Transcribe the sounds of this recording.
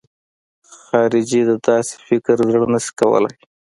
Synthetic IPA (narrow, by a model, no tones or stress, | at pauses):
xɑɾɪd͡ʒid̪əd̪ɑsɪ̥fɪkɾzəɽnəʃi̥kawə̰la̰j